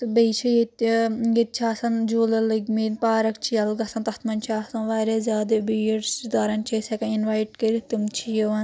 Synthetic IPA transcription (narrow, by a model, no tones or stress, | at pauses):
t̪bet͡ʃʰɐjet̪ɡet̪̚t͡ʃʰaːsɐnd͡ʒoːlɐlɐɡminpaːɾɐkt͡ʃʰijɐlɡɐsɐnt̪ɐt̪ʰmɐnʲt͡ʃʰaːsɐnʋaːɾazʲjaːd̪ebiɾsid̪aːɾɐnt͡ʃʰesɐkɐinʋaːjʈkeɾit̪umt͡ʃʰijɐʋɐn